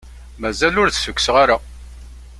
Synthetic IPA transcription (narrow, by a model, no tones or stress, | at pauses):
mæzælʊɾθsəkʷːsʁaɾa